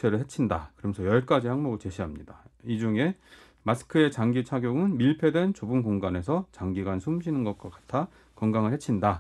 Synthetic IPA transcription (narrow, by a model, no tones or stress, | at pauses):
eɾɯɭhe̞t͡ɕʰinda̰kɯɾʌmjʌnsʰʌjʌɭk͈ad͡ʑihaŋmoɡɯɭt͡ɕe̞ɕʰiɦamɲḭdaid͡ʑuŋe̞ | masʰɯ̥kʰɯe̞t͡ɕaŋɡit͡ɕʰaɡjoɡɯnmiɭpʰe̞dwe̞nt͡ɕobunkoŋɡane̞s̬ʰʌt͡ɕaŋɡiɡwansʰumɕʰinɯnɡʌt̚k͈ʌk͈ḁtʰa | kʌŋɡaŋɯɭhet͡ɕʰinda